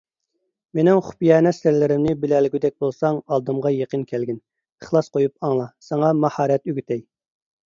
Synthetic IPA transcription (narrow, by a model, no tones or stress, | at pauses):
menɪŋχʊ̥pjɛːnɛsɾlɪɾɪmnɪbɪlɛlɪɡʲyd̪ɛk̚ʲbolˠsɑŋɑlˠd̪ɨmʁɑjeqənkʲʰælɡʲɪn | əχlˠɑsqojup̚ɑŋlˠɑsɑŋɑmɑhɑːɾɛt̪yɡʲyt̪ʰɛj